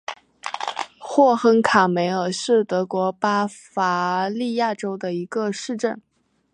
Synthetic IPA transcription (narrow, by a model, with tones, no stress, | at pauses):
xwɔ˥˩xə˥ŋkʰa˨˩me˧˥ɪə˞˨˩ʂɻ̩˥˩t̪ɤ˧˥kwɔ˧˥pa˥fa˧˥li˥˧ja˥˩ʈ͡ʂo˥ʊd̪ə˨i˧˥ɡə˧ʂɻ̩˥˧ʈ͡ʂə˥˩n